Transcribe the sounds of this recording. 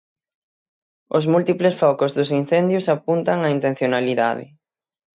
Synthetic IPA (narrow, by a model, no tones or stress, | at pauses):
ʊzmult̪iplesfɔkʊzðʊsin̟θend̪jʊsapunt̪aŋaint̪ẽn̟θjonaliða̰ðɪ̰